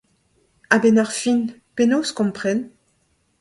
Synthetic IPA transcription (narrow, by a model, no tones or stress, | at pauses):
abɛnaʁfinpenoskɔ̃mpχɛn